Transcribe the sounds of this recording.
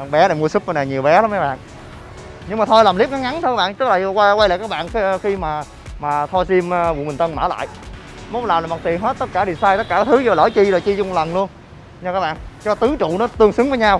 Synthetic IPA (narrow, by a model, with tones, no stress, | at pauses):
ɓɛ˨˦ɗa˧˩mu˧əsɨ˦˥p̚va˧naː˨˩ɲi˨˩əwɓɛ˨˦ɗa˨˦ma˨˦ɓa̰ː˧˨n | ɲɨ˧ŋmaː˨˩t̪ʰo˧jlaː˨˩mli˦˥p̚ŋa˨˦ŋa˨˦nt̪ʰka˦˥ɓ̰ːt͡ɕ̪ɨ˦˥k̚laː˨˩˨wa˧wa˧jla̰ː˧˨kaː˦˥ɓa̰ː˧˨n˧xi˧maː˨˩ | maː˨˩t̪ʰɔ˧jsi˧m˧vṵ˧˨mi̟˨˩ə˧nməː˧˩la̰ː˧˨j | mo˨˦˨laː˨˩mla˨˩mɔ˨˩t̪i˨˩ənɦe˦˥t̚t̪ə˦˥t̚kaː˧˩ɗi˨˩saː˧jt̪ə˦˥kaː˧˩˨t̪ʰɨ˨˦zɔ˧˩lə̰ː˧˩˦jt͡ɕi˧ɗo˨˩jt͡ɕi˧zʊ˧ŋ͡mlə˨˩nlu˧ən | ɲ˧˩kaː˨˦˥ɓa̰ː˧˨nt͡ɕɔ˧t̪ɨ˨˦t͡ɕṵ˧˨nɔ˨˦t̪ɨ˧əŋsɨ˨˦ŋvəː˨˦jɲa˧w